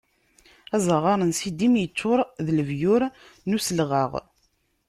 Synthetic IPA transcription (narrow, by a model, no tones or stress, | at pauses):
æzˤəʁɑɾˤənsid̪imjət͡sːʊɾˤðələvjʊɾ | nusəlʁəʁ